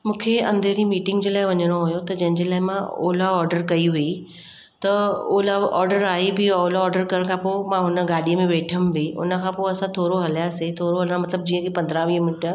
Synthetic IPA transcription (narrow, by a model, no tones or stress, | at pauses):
mũːkʰeɐ̰̃nd̪ʱeɾĩmiːʈɪ̃ŋɡd͡ʑeːlaːɪʋɐɲəɽ̃oɦojot̪ɐd͡ʑɐ̃ɦɪ̃ɲd͡ʑeːlaːɪmão̰ːlaɔːɾɖəɾkɐiʋii | t̪ɐoːlaɔːɾɖəɾaːibɪoːlaɔːɾɖəɾkɐɾəɽ̃kʰãpoːmãɦʊnəɡaːɗijəmẽʋeːʈʰəmbɪʊ̰nə̆kʰãːpoːɐsãt̪ʰoːɾoɦɐljaset̪ʰoːɾoɦɐl̃mɐt̪ləb̚d͡ʑiːə̃kʰepɐ̃nd̪ɾãʋiːəmɪnʈəɾ